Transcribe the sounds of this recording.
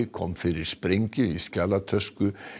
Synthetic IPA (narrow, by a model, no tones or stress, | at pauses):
kʰɔ̰mːfɪɾɪɾ̥spɾeɲcɪiscaːlat̪ʰœskʏ